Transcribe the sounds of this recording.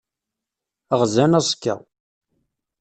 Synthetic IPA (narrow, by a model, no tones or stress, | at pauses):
əʁzænæsˤkːə̰